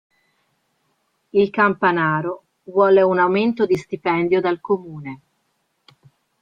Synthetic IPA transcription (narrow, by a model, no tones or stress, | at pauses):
ilkampanaːɾo | vwɔːleunawment̪od̪ist̪ipɛnd̪jod̪alkomuːne